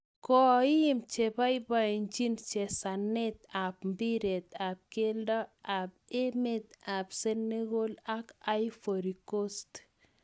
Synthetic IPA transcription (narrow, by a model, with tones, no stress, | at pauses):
kɔ˨˦mt͡ʃe˨ba˦jba˨nd͡ʒi˦nt͡ʃe˨sane˦t̪̚a˨pmbi˦ɾe˨t̪a˨p̚ke˦ldɔ˦a˨p̚e˦me˦t̪̚a˨pse˦nːe˦ɡo˦laka˦jfoɾikost